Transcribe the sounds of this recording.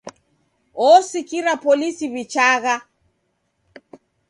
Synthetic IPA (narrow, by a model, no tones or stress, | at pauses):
ɔsikiɾapɔlisiβit͡ʃaɣa